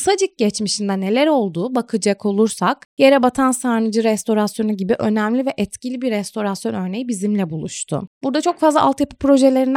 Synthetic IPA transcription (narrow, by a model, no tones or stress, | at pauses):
sad͡ʒɯk̚ɟɛt͡ʃmiʃind̪ɛne̞lʲæɾo̞lˠd̪uːbakʰɯd͡ʒakʰo̞lˠuɾsakje̞ɾɛbat̪ʰansaɾnɯd͡ʒɯɾɛst̪o̞ɾasjo̞nuɟibiʔø̞næmlʲivɛʔɛt̪cilʲibiɾɛst̪ʰo̞ɾasjo̞nø̞ɾne̞jbizimlʲɛbulˠuʃt̪ʰʊ̰b̥uɾd̪at͡ʃʰo̞kfazlˠaʔa̰lˠt̪japi̥pɾo̞ʒelʲe̞ɾin